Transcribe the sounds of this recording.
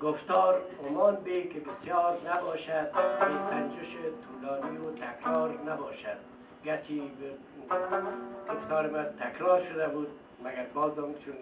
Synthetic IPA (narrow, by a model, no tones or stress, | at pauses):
ɡʊft̪ɔːɾʊmɒːlbekɪbɪsjɒːɾnabɒːʃad̪besand͡ʒɪʃɪt̪ʰuːlɔːniʊt̪ʰakɾɔɾnabɔːʃad̪̚ | ɡaɾt͡ʃʰib | ɡʊft̪ɒːɾɪmat̪ʰːakɾɔːɾʃʊd̪abuːd̪̚ | maɡaɾbɒːzɔmt͡ʃʰun